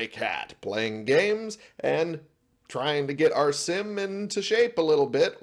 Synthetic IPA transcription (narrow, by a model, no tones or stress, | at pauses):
ɪkʰæ̰t̚pʰl̥ḛɪɪ̃ŋɡẽɪ̃mzʔɨ̃n | tʰɹ̥aɪɪ̃ŋtɨɡɛɾʔa̰ʊə˞sɪ̃mɪ̃ntʰɨʃeɪpəlɪɾl̩ˠbɪt̚